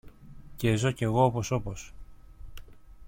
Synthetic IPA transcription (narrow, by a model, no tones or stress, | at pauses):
cezoce̞ɣoopo̞so̞pos